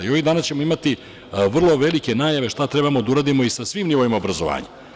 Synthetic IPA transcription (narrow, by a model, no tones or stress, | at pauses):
io̞ʋid̪aːnast͡ɕe̞mo̞imat̪i | ʋr̩lˠo̞ʋe̞like̞naːjaʋe̞ʂt̪at̪ɾe̞bamo̞d̪auɾaːd̪imo̞isasʋimnioʋimaobɾazoʋa̰ːɲa̰